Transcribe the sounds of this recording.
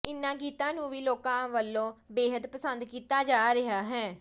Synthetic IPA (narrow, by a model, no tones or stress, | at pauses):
ɪnːãːɡiːt̪ãːnũːʋiːloːkãːʋəlːõːbeːɦəd̪pəsənd̪kiːt̪aːd͡ʒaːɾɪɦaːɦɛː